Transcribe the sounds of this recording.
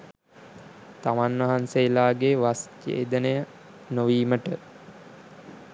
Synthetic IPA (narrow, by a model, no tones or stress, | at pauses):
t̪amanʋɐɦanseːlaːɡeʋastḛːd̪ənəjə | noʋiːməʈə